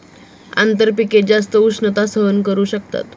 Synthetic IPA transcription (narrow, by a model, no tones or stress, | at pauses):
a̰nt̪əɾpiked͡zas̬t̪əusnət̪asəɦənkəɾuːɕək̚t̪a̰t̪